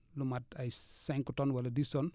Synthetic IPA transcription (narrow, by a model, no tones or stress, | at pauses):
lumatɐjsɛŋkutɔnwɐlɐdisɔn